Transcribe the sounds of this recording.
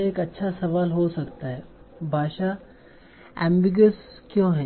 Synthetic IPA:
eːkɐtːʃʰasɐʋaːlɦosɐkt̪aɦɛːbʱaːʃa | ɛ̃ːmbɪɡəs | kjõːɦɛː

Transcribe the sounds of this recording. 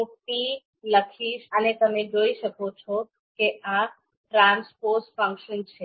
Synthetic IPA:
mʊk̚ʈ̪i | ləkʰiʃənet̪əmẽd͡ʒoiʃəkot͡ʃʰɔ | keʔa | ʈɾãnspoɾsfə̃ŋkʃənt͡ʃʰe

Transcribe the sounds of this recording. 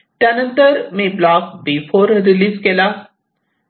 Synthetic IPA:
ʈɐnə̃nt̪əɾmẽːblaːk̚bifʰoːɾɾiliːskelaː

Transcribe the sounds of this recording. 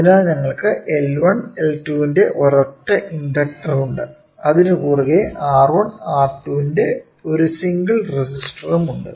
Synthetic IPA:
ɐðinaːlɲɐŋːɐɭkɨʔelʋɐɳeltuːinde̞ʔorɐʈːɐʔinɖ̪ɐk̚ʈːɐruɳɖɨ | ɐðinɨkuːruɣeʔaːrʋɐɳaːrtːuːinde̞ | o̞ɾusiŋɡɐɭresisʈrɐmuɳɖɨ̰

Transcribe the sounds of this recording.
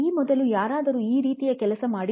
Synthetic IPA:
iːmɔd̪ɐlujaːɾaːd̪ɐɾuːiːɾiːt̪ijɐkɛlɐsɐmaːɽi

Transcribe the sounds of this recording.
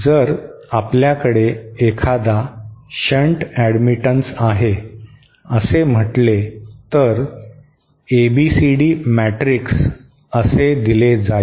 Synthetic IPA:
d͡zəɾapljakəɽeːkʰad̪aɕəɳʈæɽmiʈənsaɦe | əsem̤əʈlet̪əɾ | ebisiɽiːmæʈɾiks | əsed̪iled͡za

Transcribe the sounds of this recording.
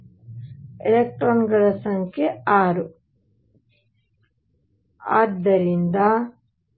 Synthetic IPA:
elek̚ʈɾoːnɡɐɭɐsɐŋkʰeaːɾu | a̰ːd̪ːɐɾind̪ɐ

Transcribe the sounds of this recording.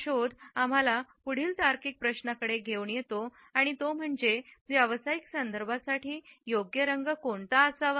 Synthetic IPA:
ɕod̪am̤alapuɽ̤iːlt̪aɾkiːk̚pɾəɕnakəɽeɡʱewɳjet̪o | aɽ̃it̪om̤əɳd͡ʑeʋaʋəsaiksənd̪əɾbʱasaʈiːjoɡjəɾəŋɡəkoɳt̪aəsaʋ

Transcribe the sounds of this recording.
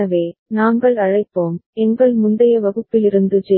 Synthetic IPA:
ɐʋeːnaːŋɡɐɭɐɻɐɪpːoːmɛŋɡɐɭmʊnd̪ɐjɐʋɐɣɯpːɪlɪɾɯnd̪ɯd͡ʒɛ

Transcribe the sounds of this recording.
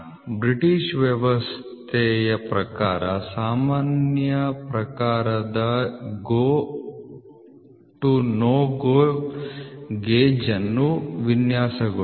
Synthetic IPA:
bɾiʈiʂʋjɐʋɐstt̪ʰɛjɐpɾɐkaːɾɐsaːmaːnjɐpɾɐkaːɾɐd̪ɐɡoː | ʈunoːɡoː | ɡeːd͡ʒɐnːuʋinjaːsɐɡɐ

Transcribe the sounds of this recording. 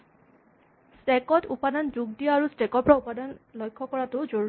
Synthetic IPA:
stɛkɔtupadanzuɡdiaaɹustɛkɔpɹaupadanlɔjkʰːɔkɔɹatʊzoɹ

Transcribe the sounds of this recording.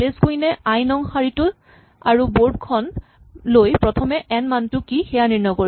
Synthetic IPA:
leskojnɛajnɔŋxaɹitʊ | aɹuboɹd̚kʰɔn | lojpɹɔtʰɔmɛʔɛnmantʊkixɛjaniɹnɔko

